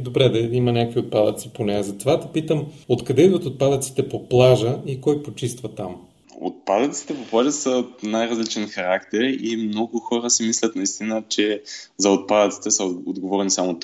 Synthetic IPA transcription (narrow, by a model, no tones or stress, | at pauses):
d̪obɾɛd̪ɐimɐnʲakoviot̪̚pad̪ət̪siponɛzɐt̪ovat̪ɐ̥pit̪əmot̪kɐd̪ɛid̪vɐt̪ot̪̚pad̪ət̪si̥t̪ɛpoplˠaʒəikɔjpot͡ʃist̪vɐt̪am | o̰t̪̚pad̪ɐt̪si̥t̪ɛpopˠaʒəsət̪najɾɐzlit͡ʃɛnxɐɾakt̪ɛɾimnɔɡʊxɔɾəsimislʲɐt̪nɐist̪inət͡ʃɛzɐot̪̚pad̪ət̪si̥t̪ɛsəod̪ɡovɔɾnisamot̪